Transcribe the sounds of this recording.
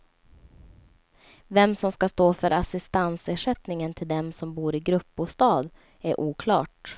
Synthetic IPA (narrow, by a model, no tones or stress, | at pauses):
vɛmsɔmskast̪oːfœɾʔasɪst̪anseːʂɛt̪nɪŋənt̪ʰɪld̪ɛmsɔmbuːɾɪɡɾɵpːbust̪ɑːd̪ | æɾʔuːkʰlɑ̰ːʈ